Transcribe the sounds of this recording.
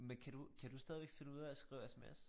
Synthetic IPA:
menkʰæd̥ukʰæd̥usd̥ɛð̞ˠʋeɡ̥fe̝nəuð̞̰ˠæsɡ̥ʁḭʊesemḛs

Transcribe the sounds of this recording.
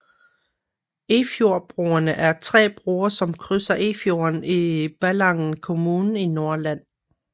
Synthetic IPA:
e̝fjo̝ɐ̰b̥ʁuːɐnəʔæɐt͡sʰʁɛ̰ːb̥ʁuːɐsɒ̽mkʰʁysɐʔe̝fjo̝ɐnib̥ælɑ̈ŋn̩kʰo̝muːnn̩ino̝ɐlæn̰

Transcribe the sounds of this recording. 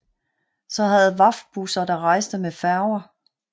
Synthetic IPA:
sɒ̽ɦæð̩ˠʋɑ̈f̚b̥usɐd̥ɑ̈ʁɑ̈ɪ̰sd̥əmefæɐʊɐ

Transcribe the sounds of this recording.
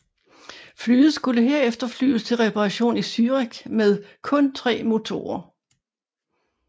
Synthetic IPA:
flyːð̩ˠsɡ̥uləɦe̝ɐ̰efd̥ɐfly̰ːst͡sʰe̝lʁɛpʰɑʁɑɕo̝̰ːnisyːʁiɡ̥meðˠkʰɔ̽nt͡sʰʁɛ̰ːmo̝t͡sʰo̝̰ːɐ

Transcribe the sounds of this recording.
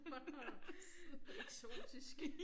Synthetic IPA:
eɡ̥so̝̰ːd̥isɡ̥

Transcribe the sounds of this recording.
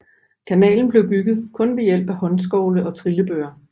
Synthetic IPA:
kʰænɛ̰ːln̩b̥le̝ʊb̥yɡ̥ð̞̩ˠkʰɔ̽nʋe̝jel̰b̥æhɒ̽ns̬ɡ̥ɒʊləɒ̽t͡sʰʁiləb̥øːɐ

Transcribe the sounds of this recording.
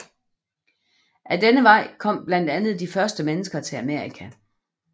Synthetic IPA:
ʔæd̥enəʋɑ̈ɪ̰kʰɒ̽m̰b̥læn̰d̥ænð̩ˠd̥ifɶɐsd̥əmenəsɡ̥ɐt͡sʰe̝læme̝ɐʁikʰæ

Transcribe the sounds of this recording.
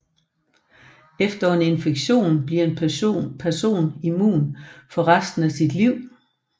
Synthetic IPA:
efd̥ɐɒne̝nfeɡ̥ɕo̝̰ːnb̥liɐ̰e̝nːpʰæɐso̝̰ːnimṵːnfɒ̽ʁasd̥n̩æsid̥liʊ̰

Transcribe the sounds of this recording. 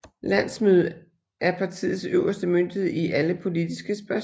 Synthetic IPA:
læn̰smyðˠ | ʔæɐpʰɑ̈t͡sʰḭːð̩ˠsøʊɐsd̥əmønd̥iðˠiʔæləpʰo̝lid̥isɡ̥əsb̥æɐ

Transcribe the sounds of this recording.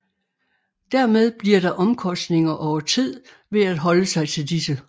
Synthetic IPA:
d̥æɐmeð̞ˠb̥liɐɾ̥ɑ̈ʔɒ̽mkʰɒ̽sd̥ne̝ŋɐʔɒʊɐt͡sʰið̞̰ˠ | ʋe̝æd̥ɦɒ̽ləsɑ̈ɪt͡sʰe̝ldisə

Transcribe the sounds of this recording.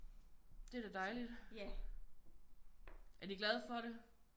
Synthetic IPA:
d̥e̝ɐd̥ed̥ɑ̈ɪlid̥ | æɐd̥iɡ̥lɛð̞̩ˠfɒ̽ɾe

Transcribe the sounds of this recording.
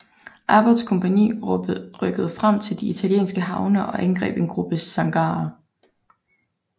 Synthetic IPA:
ʔɑb̥ɑd̥skʰɔ̽mpʰænḭːʁœɡ̥əð̩ˠfʁam̰t͡sʰe̝ld̥iit͡sʰæljḛːnsɡ̥əɦɑ̈ʊnɐʔɒ̽ʔænɡ̥ʁɛ̰ːb̥e̝nɡ̥ʁub̥əsɑ̈ŋɡ̥ɑ̈ː

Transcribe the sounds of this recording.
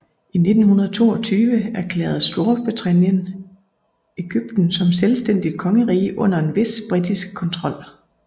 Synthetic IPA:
ʔine̝d̥n̩hunɐð̞ˠt͡sʰo̝̰ːɒt͡sʰyːʋəæɐkʰlɛ̰ːð̩ˠsd̥o̝ɐb̥ʁit͡sʰʁænjən | eɡ̥yb̥̚d̥n̩sɒ̽mselsd̥en̰d̥ikʰɒ̽ŋəʁḭːʔɔ̽n̰ɐe̝nʋe̝sb̥ʁid̥isɡ̥̚kʰɒ̽nt͡sʰʁɒ̽l̰

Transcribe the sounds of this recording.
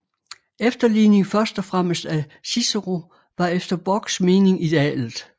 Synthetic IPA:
efd̥ɐline̝ŋfɶɐsd̥ɒfʁam̰əsd̥æ | sisɐʁo | ʋɑ̈efd̥ɐb̥ɒɡ̥sme̝ːne̝ŋid̥e̝ɛ̰ːlð̩ˠ

